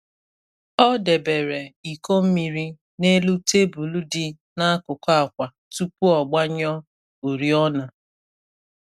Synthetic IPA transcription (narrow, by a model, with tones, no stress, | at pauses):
ɔ˦de˨be˨ɾe˨i˨ko˦m̩˦mi˨ɾi˦ | ne˦lu˦te˦bu˨lu˦dɪ˦ | na˦a˦kʊ˨ka˨kʷa˨ | tu˦pu˦ɔ˨ɡ͡ba˦ɲɔ˦ | o˨ɾi˦ɔ˦na˨